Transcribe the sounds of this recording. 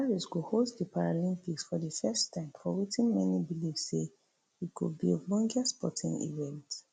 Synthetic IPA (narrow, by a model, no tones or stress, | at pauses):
aɹiskuhosdəpʰaɹalĩmpiksfɔðəfɛstʰːãɪ̃mfɔwitĩnmɛnibilifsːe | itkud̚bielɔ̃ŋɡəspɔ̰tʰḭ̃ŋḭvɛ̃nt